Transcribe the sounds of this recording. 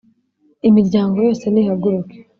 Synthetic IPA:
imiɾɟaːŋɡo̞jo̞ːse̞nihaɡuɾuke̥

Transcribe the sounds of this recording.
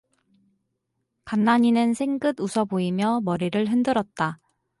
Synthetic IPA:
kanːaɲinɯnsʰe̞ŋɡ͈ɯdusʰʌboimjʌmʌɾiɾɯɭɦɯndɯɾʌt̚t͈a

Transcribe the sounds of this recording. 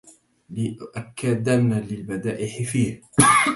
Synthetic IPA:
lɪʔʔakːad̪analɪlbad̪aːʔɪħɪfiːh

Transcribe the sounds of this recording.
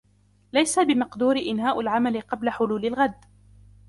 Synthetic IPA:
lajsabɪmɑqd̪uːɾɪʔɪnhaːʔalʕamalɪqɑblaħʊluːlɪlɣad̪

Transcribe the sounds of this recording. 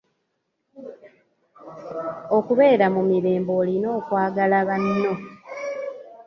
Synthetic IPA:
o̞kuβe̞ːɾamumiɾe̞ːmbo̞ːlino̞ːkwaːɡalaβanːo̞

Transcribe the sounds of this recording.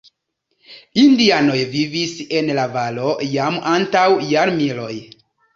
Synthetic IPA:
indiano̞jvivise̞nlavalo̞jamantawjaɾmilo̞j

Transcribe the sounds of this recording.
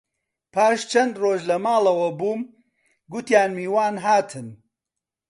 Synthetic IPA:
pʰaːʃt͡ʃʰɐnd̪roːʒlɐmaːlɐwɐbuːm | ɡʊt̪jaːnmiːwaːnɦaːt̪ʰɨn

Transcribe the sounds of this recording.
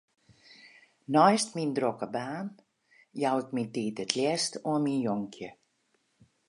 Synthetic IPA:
nɔjstmindrokəbaːn | jawɪkmintiːtətʰljɛstuənminjɔŋkʰjə

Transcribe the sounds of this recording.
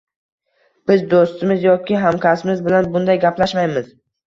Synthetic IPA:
b̥ɪzd̪ost̪ɪmɪzjɒkʲʰɪɦamkʲasɪmɪzbɪlanbʊnd̪ajɡʲaplaʃmajmɪz

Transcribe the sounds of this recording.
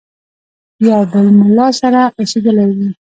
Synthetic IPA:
jɑbəlmʊlɑsaɾaased̪əlawi

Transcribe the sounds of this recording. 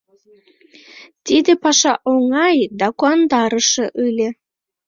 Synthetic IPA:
t̪id̪epɑʃɑʔoŋɑjd̪ɑkuɑnd̪ɑɾəʃeʔɯlʲe

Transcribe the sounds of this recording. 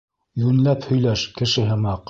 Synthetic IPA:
jʉnlæphɵ̆jlæʃkɘ̆ʃɘ̆ɦɘmɑq

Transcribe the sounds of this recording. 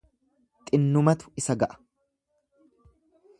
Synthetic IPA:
t̪ʼɪnːʊmɐt̪ʊ̥ɪsɐɡɐʔɐ̥

